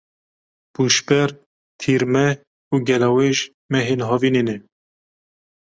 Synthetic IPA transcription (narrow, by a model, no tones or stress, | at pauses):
b̥uːʃbɛɾ | t̪ʰiːɾmɛ | uːɡɛlɑweʒ | mɛɦenɦɑːvinenɛ